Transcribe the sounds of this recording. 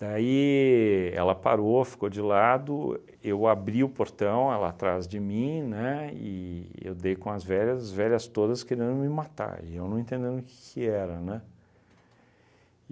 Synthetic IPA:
d̪̥ai | ɛ̰lɐpa̰ɾofi̥kod͡ʒɪlad̪ʊ | ewabɾiʊpoɾt̪ɐ̃w̃ɛlɐ̰at̪ɾazd͡ʒɪmĩnɛɪ̰ḛwd̪ejkõɐzvɛʎɐzvɛʎɐst̪od̪ɐskeɾẽnd̪ʊmɪmat̪a̰ɾɪ̰ewnɐ̃ẽnt̪ẽd̪ẽnʊʊkɪ̥kʰɪɛɾɐnɛ̃

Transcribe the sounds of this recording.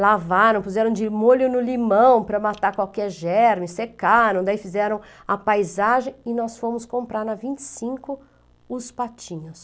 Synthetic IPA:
lavaɾɐ̃w̃puzɛɾɐ̃w̃d͡ʒɪmoʎʊnʊlimɐ̃w̃pɾɐmat̪akwawkɛɾʒɛɾmɪsekaɾɐ̃w̃d̪aifizɛɾɐ̃w̃ | ɐpajzaʒẽɪnɔsfõmʊskõpɾaɾnɐvĩnt͡ʃɪ̥sĩŋkʊ | ʊspat͡ʃĩɲʊs

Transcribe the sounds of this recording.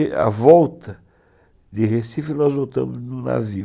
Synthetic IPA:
a̰vɔwt̪ɐ | d̪ɪhesifɪnɔzbot̪ɐ̰̃mʊznʊna̰vi

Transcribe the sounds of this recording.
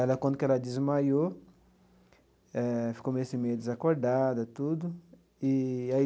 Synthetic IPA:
ɛlɐkwõnd̪ʊkɛlɐd̪izmajo | ɛfi̥komesimejd̪izakoɾd̪ad̪ɐt̪ud̪ʊ | iai

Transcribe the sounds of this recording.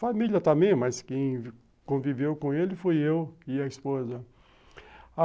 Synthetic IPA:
familjɐt̪ɐ̃mẽj̃mɐskẽj̃ | kõvivewkõelɪfujewɪɐɪispozɐ | a

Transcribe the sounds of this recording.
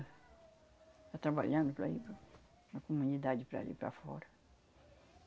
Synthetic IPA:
t̪at̪ɾabaʎɐ̃nd̪ʊpɾɐ̰ipɾ | nɐkomunid̪ad͡ʒɪpɾɐ̰lḭpɾɐ̰fɔ̰ɾɐ

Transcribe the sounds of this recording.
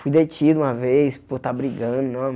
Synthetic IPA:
fujd̪ejt͡ʃid̪ʊũmɐvejspoɾt̪abɾiɡɐ̃d̪ʊnõw̃m

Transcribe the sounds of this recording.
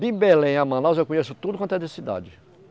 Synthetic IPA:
d̪ɪ̃belẽj̃amɐ̃nawzewkõɲesʊt̪ud̪ʊkwɐ̃t̪ɐd̪ɪsid̪a̰d͡ʒɪ

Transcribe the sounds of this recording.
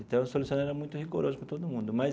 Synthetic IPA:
ẽt̪ɐ̃w̃solusiõɐ̃aɛɾɐmũj̃t̪ʊhiɡoɾozʊpɐ̃t̪od̪ʊmũnd̪ʊma

